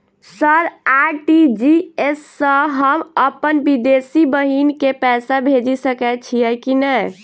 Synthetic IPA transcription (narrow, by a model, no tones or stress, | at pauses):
səɾaʈid͡ʒiesːə̃ɦəməpənbid̪esibəɦinkepɛsabʱed͡ʒisəkɛt͡ʃʰijɛkinəj